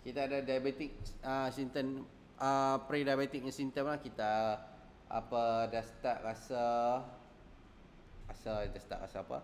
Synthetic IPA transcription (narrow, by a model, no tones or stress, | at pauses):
kit̪aːdadajabet̪ik̚əsint̪ən | əpɾidajabet̪ik̚sint̪əmlahkit̪a | ʔa̰pədast̪aʔɾasa | ɾasadast̪a̰ʔɾa̰saːpa̰